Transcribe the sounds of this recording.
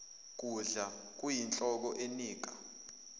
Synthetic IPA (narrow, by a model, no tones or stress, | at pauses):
k̬ʼuɮa | k̬ʼujint͡ɬʼɔk̬ɔʔeniːk̬ʼa